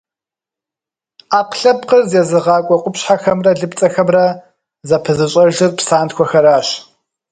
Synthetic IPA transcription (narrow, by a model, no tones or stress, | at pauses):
aːqɬɐpqərzeːzɨʁɑːkʷʼɔqʷʊpɕħaxɐmrɐɮɨpt͡sʼɐxɐmrɐ | zɐpʰɨzɨɕʼɐʒɨrpsaːntxʷʰɔxɐɾaːɕ